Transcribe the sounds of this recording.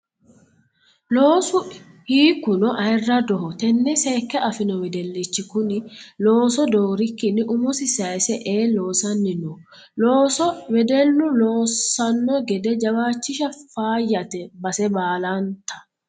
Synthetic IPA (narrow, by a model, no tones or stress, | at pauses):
loːsʊ | hiːkːʊnɔʔɐɪrːɐd̪ɔɦɔt̪ɛnːɛseːkːɛʔɐfɪnɔwɛd̪ɛlːit͡ʃːɪkʊnɪlo̞ːsɔd̪oːɾɪkːɪnːɪʔʊmɔsɪsɐsɛʔeːlo̞ːsɐnːɪnɔ | loːsɔwɛd̪ɛlːʊloːsːɐnːɔɡɛd̪ɛd͡ʒɐwaːt͡ʃːɪʃɐfaːjːɐt̪ɛbɐsɛbaːlant̪ɐ̥